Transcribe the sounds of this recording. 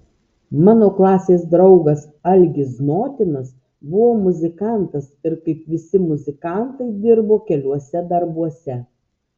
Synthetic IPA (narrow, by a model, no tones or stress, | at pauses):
mɑːnoːklˠɑːsʲeːsd̪ɾɒʊɡɐs | ɐlʲɡʲɪsnoːt̪ʲɪnɐs | bʊʋoːmʊzʲɪkɑˑnt̪ɐsɪɾkɐɪpʋʲɪsʲɪmʊzʲɪkɑˑnt̪ɐɪd̪ʲɪɾboːkʲɛlʲuɔsʲɛd̪ɐɾbuɔsʲɛ